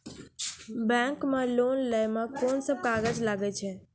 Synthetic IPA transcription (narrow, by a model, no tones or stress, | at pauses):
bɛ̃ŋkmelonləjmekonsəb̚kaɡəd͡ʒlaɡɛt͡ʃʰɛ